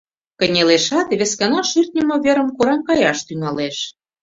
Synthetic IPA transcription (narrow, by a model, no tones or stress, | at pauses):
kə̆nʲeleʃɑt̪βʲeskɑnɑʃyrt̪̚ʲnʲə̆moβʲeɾə̆mkoɾɑmkɑjɑʃt̪yŋɑleʃ